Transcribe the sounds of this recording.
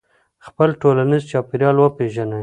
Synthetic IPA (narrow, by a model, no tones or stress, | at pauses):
xpəlʈolanizt͡ʃɑpiɾjɑlwəpeʒanə